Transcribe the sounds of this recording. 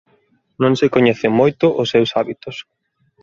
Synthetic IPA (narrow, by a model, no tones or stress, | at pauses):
nõŋsɪkoɲɛθɪmojt̪ʊʔʊsːewsaβit̪ʊs